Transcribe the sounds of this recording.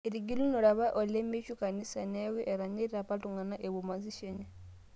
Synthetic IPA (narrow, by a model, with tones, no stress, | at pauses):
e˨ɾiɡi˦lu˦no˨ɾa˨βa˦ʔo˨le˦mi˦ʃu˦ka˨ni˦sa˨ne˦wi˦ʔe˨ɾa˨ɲi˦ɾiɾapa˦tu˨ŋɡa˨na˦ʔe˨βu˨ma˨zi˦ʃe˦ɲa˦